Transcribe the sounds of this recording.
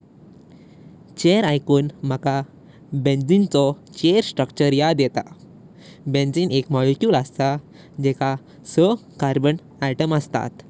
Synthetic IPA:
t͡ɕeɾajkuːnm̤əka | bẽnd͡zint͡sɔt͡ɕeɾsʈɾəkt͡ɕəɾjad̪ɛt̪a | bẽnd͡zinekmɔɭekjuːləst̪a | d͡ʑɛka | səkaɾbən | aʈəməst̪a̰t̪

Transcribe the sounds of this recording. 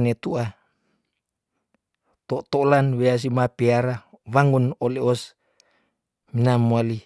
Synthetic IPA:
net̪ua | t̪ɔt̪olanweas̬imapiaɾawaŋunɔleɔs | minamuali

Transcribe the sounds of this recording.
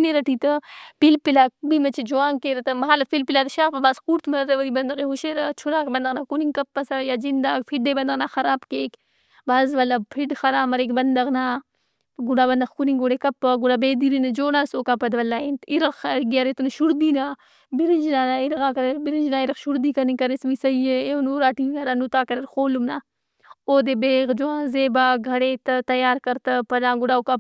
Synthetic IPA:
neɾɐʈʰiːt̪ɐpilpilaːk̚bimɐt͡ʃʰid͡ʒuaːŋkeːɾɐt̪ɐmɐɦaːlɐpilpilaːt̪ɐʃaːpɐbaːskuːɾt̪mɐɾt̪ɐʋɐɾibɐnd̪ɐɣeɦuʃeɾɐt͡ʃʰuɾaːkbɐnd̪ɐɣnaːkuniŋkɐpːɐsɐjaːd͡ʒind̪aːkpʰiɖɖ̪eːbɐnd̪ɐɣnaːxɐɾaːbkeːk | baːzʋɐlːapʰiɖxɐɾaːmɐɾeːkbɐnd̪ɐɣnaː | ɡuɽaːbɐnd̪ɐxkunĩːɡoɽekɐpːəɡuɽaːbeːd̪iːɾinɐd͡ʒoːɽaːsoːkaːpɐd̪ʋɐlːaːeːnt̪iɾɐxɡjaɾet̪unʃuɾd̪iːnaː | bɪɾid͡ʒnaːnaiɾɣaːkɐɾeɾbiɾind͡ʒnaːɪɾɐxʃuɾd̪iːkɐnikɐɾesmisɐijeeunuːɾaːʈiɐɾanut̪aːkɐɾeɾxoːlumnaː | oːd̪eːbeːɣd͡ʒuãːzeːbaːɡʱɐɽeːt̪ɐt̪ɐjaːɾkɐɾt̪ɐpɐnãːɡʊɽaːoka

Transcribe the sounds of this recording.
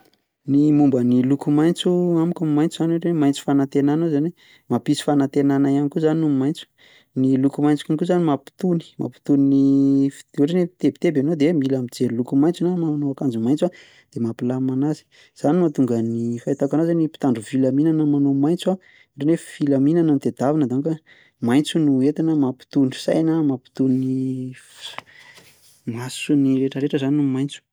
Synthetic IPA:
nimumbənilukumajnt͡suamikʲummajnt͡suzanoɾenmajnt͡su̥fanat̪enanozani | mapisi̥fanat̪enanajanikuzaninummajnt͡su̥ | nilukumajnt͡su̥kunkuzanimapi̥t̪uni̥mʔa̰pi̥t̪uninifeɾenet̪ebi̥t̪ebanod̪emilamid͡zeɾilukumajnt͡sunamaanoakand͡zumajnt͡swa | d̪̥emapilamanazi̥ | z̥animat̪uŋɡənifajt̪akanazanipi̥t̪aɳɖ͡ʐuvilaminanəmanomajnt͡sua | ɖ͡ʐeneffilaminanamit̪ed̪avanəd̪anka | majnt͡sunuet̪inəmapi̥t̪uni̥sa̰jnamapi̥t̪unini | masuniɾeʈ͡ʂəɾeʈ͡ʂəzaninumajnt͡su̥

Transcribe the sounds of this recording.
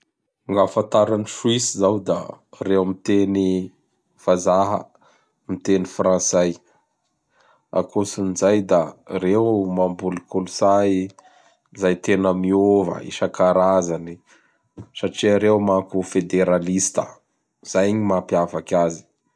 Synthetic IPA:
ŋɡafãnt̪aɾaniʃuisizawd̪a̰rewmit̪eni | v̥azaɦə̰ | mit̪enifrãsaj | a̰kosinizajd̪aɾewmambulikulusai | zajt̪enəmiovə̰ḭʃakaɾazani | saʈ͡ʂiaɾewmakufed̪eɾalist̪ə | z̥ajɲimapiavakʲazi̥

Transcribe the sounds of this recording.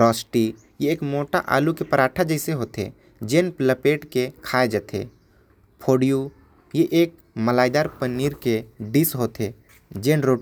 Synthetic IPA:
ɾɔːsʈi | jeːkmoːʈa̰ʔa̰ːlukepəɾaːʈʰad͡ʒəɪseɦoːt̪ḛ | d͡ʒeːnpləpeːʈkekʰaːed͡ʒət̪ʰḛ | pʰoːɽiju | jeʔeːk̚ | məlaːɪd̪aːɾpəniːɾkeɖɪsɦoːt̪e | d͡ʒeːnɾoː

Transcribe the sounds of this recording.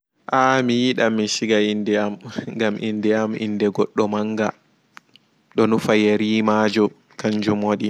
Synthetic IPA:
ʔamijiɗamːiʃiɡaindɛamŋɡamʔḭndɛamḭndɛɡɔɗːɔmaŋɡa | ɗɔnufajeɾiːmaːd͡ʒɔ | kaɲd͡ʒumoːɗi

